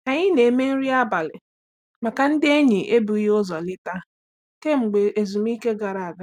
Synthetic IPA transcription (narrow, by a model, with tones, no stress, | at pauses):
na˨ɲɪ˦ne˨me˦n̩˦ɾi˦a˦ba˨lɪ˨ | ma˨ka˨n̩˦dɪ˦e˦ɲi˨ʔe˦bu˨˦jʊ˦zɔ˨lɪ˦ta˦ | ke˦ŋ͡m̩˨ɡ͡be˨e˨zu˨m˦i˦ke˦ɡa˨ɾa˨a˨ɡa˦